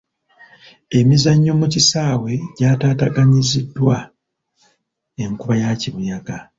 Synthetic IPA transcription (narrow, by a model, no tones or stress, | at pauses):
e̞mizaɲːo̞mucisaːwe̞ɟaːtaːtaɡaɲizidːwa | eŋkuβajaciβujaɡa